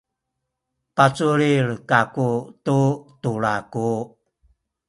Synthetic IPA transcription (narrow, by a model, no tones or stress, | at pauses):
pat͡suɾiɭkakututuɭaku